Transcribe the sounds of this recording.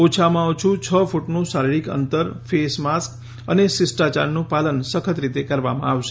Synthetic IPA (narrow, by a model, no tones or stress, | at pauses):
ot͡ʃʰamãot͡ʃʰũt͡ʃʰəfuʈnũsaɾiɭikə̰nt̪əɾfesmask | ə̰nesɪsʈat͡ʃa̰nːũpalənsəkʰət̪ɾit̪ekəɾʋamã̰aʋʃe